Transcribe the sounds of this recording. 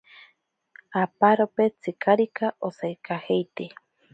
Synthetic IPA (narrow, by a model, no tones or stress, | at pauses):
apaɾopet͡sɨkʰaɾikaʔosajkʰahejt̪e